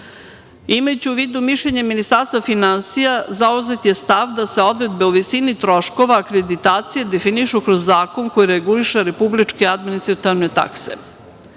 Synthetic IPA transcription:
imajut͡ɕiuʋiːd̪umiʃʎeɲeminist̪aɾst̪vafinansijazauze̞t̪je̞st̪aʋd̪ase̞o̞d̪ɾe̞d̪be̞uʋisinit̪ɾo̞ʃko̞ʋaːkɾed̪it̪aːt̪sije̞d̪e̞finiʃukɾozːaːko̞ŋko̞jiɾeɡuliʃeɾe̞publit͡ʃkead̪minist̪ɾat̪iʋnet̪a̰ksḛ

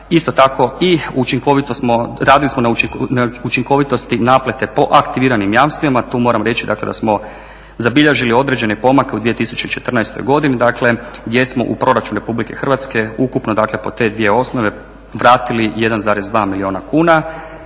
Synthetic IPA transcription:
ist̪o̞t̪ako̞iuut͡ʃiŋko̞ʋit̪osmoɾaːd̪ilismo̞nanaut͡ʃiŋko̞ʋit̪ost̪inaːplet̪e̞po̞ʔakt̪iʋiːɾanimjaːmst̪ʋimat̪uːmo̞ːɾamɾe̞t͡ʃid̪a̰kle̞d̪a̰smo̞ | zabiʎeʒilio̞d̪ɾe̞d͡ʑe̞nepo̞make̞ud̪ʋije̞t̪isut͡ʃe̞it͡ʃe̞t̪rnajst̪ojɡo̞d̪inid̪akle̞ɡd̪je̞smo̞̰ʔṵpɾo̞ɾat͡ʃunɾe̞publike̞xr̩ʋat̪ske̞ukupnod̪akle̞po̞t̪e̞ːd̪ʋije̞o̞snoʋe̞ | ʋɾaːt̪ilije̞d̪anzaːɾe̞zd̪ʋaːmilio̞ːnakuːna

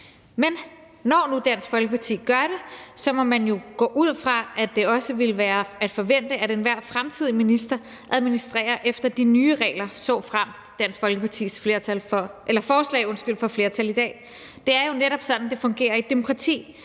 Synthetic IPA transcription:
men | nɒnud̥æn̰sɡ̥fɒ̽lɡ̥əpʰɑ̈t͡sʰḭːɡ̥ɶɐɾe̝sɒ̽mɒ̽mːænjo̝ɡ̥ɔ̰ːʔuð̰ˠfʁɑ̈ʔæd̥e̝ɒ̽səʋe̝ləʋæːɐæd̥fɒ̽ʋen̰d̥əæɾenʋæɐ̰̥fʁamt͡sʰiðˠjminisd̥ɐ | ʔæð̞ˠminisd̥ʁɛ̰ːɐʔefd̥ɐd̥inyːʁɛ̰ːlɐsɒ̰̽ːfʁam̰ | d̥æn̰sɡ̥fɒ̽lɡ̥əpʰɑ̈t͡sʰḭːsfle̝ɐt͡sʰælfɒʔelɐfɒːslɛ̰ɪɔ̽nsɡ̥yl̰fɒ̽fle̝ːɐt͡sʰælid̥ɛ̰ː | d̥e̝æɐjo̝neɾɒ̽b̥sɒ̽d̥n̩d̥e̝fɔ̽ŋɡ̥e̝̰ːɐid̥e̝mo̝kʰʁɑ̈t͡sʰḭː

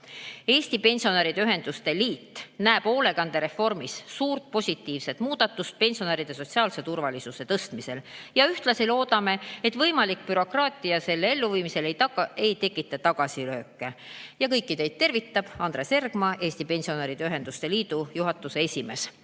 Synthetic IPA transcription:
e̞ːsʲt̪ipe̞nʲsio̞neɾid̪eyɦe̞nd̪̥ust̪e̞liːt̪ːnæeb̥o̞ːle̞ɡ̥ɑnd̪̥eɾe̞fo̞rmissuːrt̪̚po̞sʲit̪ːˑiːvse̞t̪ˑmuːd̪̥ɑt̪ːˑust̪̚pe̞nʲsio̞neːɾid̪̥e̞so̞t̪ʲsiɑːlse̞t̪urvɑlisuse̞t̪ɤst̪mise̞ljɑyht̪lɑsilo̞ːd̪̥ɑme̞et̪ːvɤjmɑlikpyɾo̞krɑːt̪ˑiɑse̞lːee̞lːuviːmise̞lejt̪ɑe̞jt̪e̞kːˑit̪ːˑɑt̪ɑɡ̥ɑsilø̞ːkːˑejɑkɤjkːit̪e̞jd̪̚t̪ːe̞rvit̪ːɑb̥ɑnd̪ɾe̞se̞rɡ̥mɑʔeːsʲt̪ipe̞nsio̞neɾid̪̥eyɦe̞nd̪̥ust̪e̞liːd̪ujuɦɑt̪ːˑuse̞esʲime̞s

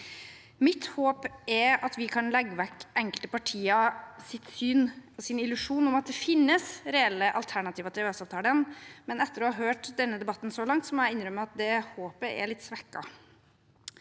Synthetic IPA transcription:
mɪt̪hoːpʔɛɾɑt̪ʋɪkʰɑnlɛɡːəʋɛkːʔɛŋkəlt̪əpɑʈʰiːɑsɪt̪syːnɔsɪnɪlʉʂuːnɔmɑt̪̚d̪ɛfɪnːəsɾɛɛlːəʔɑlt̪ʰæɳɑt̪ʰiːʋət̪ʰɛʋøːsɑːʋt̪ʰɑːləənmɛnɛt̪ːəɾɔːhɑɾɦøːʈd̪ɛnːəd̪ɛbɑt̪ːnsɔlɑŋt̪sɔmɛɪnɾœmːəɑt̪̚d̪ɛhoːpəʔɛ̰ɭɪt̪ːsʋɛkːɑ̰

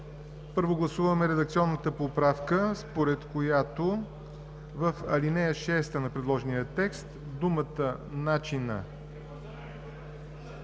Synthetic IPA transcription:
pɤɾvoɡlˠɐsuvəmɛɾɛd̪ək̚t̪sʲiɔnːət̪əpopɾafkəspoɾɛt̪kojat̪o | vəfɐ̰linɛjəʃɛst̪ənɐpɾɛd̪lˠɔʒɛnijət̪ɛkst̪ | d̪umət̪ənat͡ʃinə̰

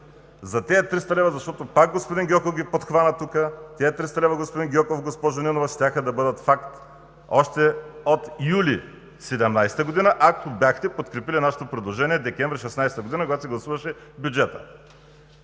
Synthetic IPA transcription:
zɐt̪ɛːt̪ɾist̪ɐlɛvəzɐʃt̪ɔt̪opak̚ɡospod̪inɡʲɔkofɡʲipot̪xvanɐt̪ukət̪ɛɛt̪ɾist̪ɐlɛvɐɡospod̪inɡʲɔkofɡospɔʒoninovɐʃt̪ʲaxəd̪ɐbɤd̪ɐt̪fakt̪ | ɔʃt̪ɛot̪ijuli | sɛd̪ɛmnajsɛ̥t̪əɡod̪inəʔakobjaxt̪ɛpot̪kɾɛpilinaʃɛ̥t̪opɾɛd̪lˠoʒɛniɛd̪ɛkʲɛ̃ɱvɾʲiʃɛsnajsɛ̥t̪əɡod̪inɐkoɡat̪osiɡlˠɐsuvɐʃɛbʲjud͡ʒɛt̪ə

